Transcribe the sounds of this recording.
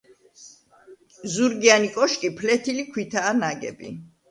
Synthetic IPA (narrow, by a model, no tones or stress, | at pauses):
zuɾɡianikʼɔʃkʼipʰlɛt̪ʰilikʰwit̪ʰaːnaɡɛ̰bḭ